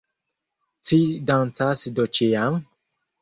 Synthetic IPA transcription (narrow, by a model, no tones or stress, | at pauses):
t͡sidãnt͡sasidɔt͡ʃejam